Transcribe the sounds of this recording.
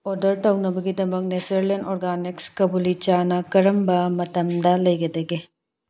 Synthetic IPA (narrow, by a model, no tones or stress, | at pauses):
oɾdɐɾtɐwnɐbɐɡidɐmɐk̚nesɐɾlenoɾɡanikskɐbulit͡ʃanɐkɐɾɐmbɐmɐtɐmdɐlɐjɡɐdɐɡi